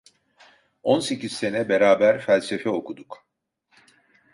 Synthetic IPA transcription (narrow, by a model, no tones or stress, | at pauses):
onse̞cʰizse̞nɛbe̞ɾaːbæɾfælʲse̞fɛo̞kʰud̪uk